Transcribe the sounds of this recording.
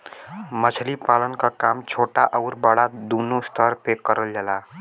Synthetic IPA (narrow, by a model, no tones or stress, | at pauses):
mət͡ʃʰlipaːlənkakaːmt͡ʃʰoːʈaʔəʊɾbəɽad̪unost̪ʰəɾpekəɾəld͡ʒəla